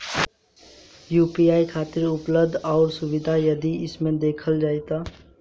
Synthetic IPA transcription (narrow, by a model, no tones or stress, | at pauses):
juːpiaːikʰaːt̪ɪɾʊpləbd̪ʱɔːɾsʊʋɪd̪ʱajɐd̪iɪsmẽd̪eːkʰəld͡ʒaːit̪a